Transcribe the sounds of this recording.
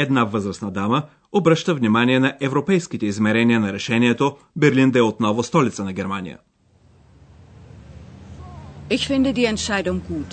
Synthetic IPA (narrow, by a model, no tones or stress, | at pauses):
ɛd̪navɤzɾəsnɐd̪amə | obɾəʃt̪əvnimaniɛnɐʔɛvɾopɛjsk̟it̪ɛizmɛɾɛniənɐɾɛʃɛniɛt̪o | bɛɾlind̪ɛot̪nɔvost̪ɔlit̪sənɐɡʲɛɾmanḭjə̰ | ʔɪçfɪndədiːɛntʃaɪdʊŋɡuːt